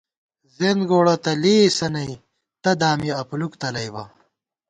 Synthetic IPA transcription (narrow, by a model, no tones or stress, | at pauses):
zenɡoːɽɐt̪ɐliːsɐnɐi | t̪ɐd̪aːmiɐpulukt̪ɐlɐjbɐ